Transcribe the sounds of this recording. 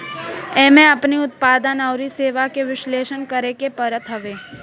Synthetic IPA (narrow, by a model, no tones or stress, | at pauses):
ɛːmẽɐpniʊt̪̚paːd̪ənaʊɾiseːʋakeʋɪʃleːʃənkəɾekepɐɾət̪ʰɦɐʋeː